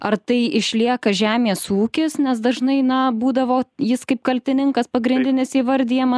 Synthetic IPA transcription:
ɐrt̪ɐɪɪʃʲlʲiɛkɐʒʲæːmʲeːsuːkʲɪsnʲɛsd̪ɐʒnɐɪnɐbuːd̪ɐʋoːjɪskɐɪp̚kɐlʲt̪ʲɪnʲɪŋkɐspɐɡɾʲɪnʲd̪ʲɪnʲɪsiːʋɐɾʲd̪ʲijɛmɐ

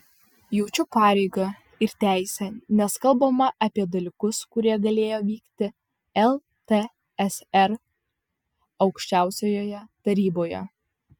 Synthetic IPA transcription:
juʊt͡ʃʲʊpɑːɾʲɛɪɡɐ | ɪɾt̪ʲæˑɪsʲɛnʲɛskɐlˠbɐmɐʔɐpʲiɛd̪ɐlʲɪkʊskʊɾʲiɛɡɐlʲeːjoːʋʲiːkt̪ʲɪ | ɛlˠ | t̪e | ɛsɛɾ | ɒʊkʃʲt͡ʃʲæˑʊsʲoːjoːjɛt̪ɐɾʲiːboːjɛ̰

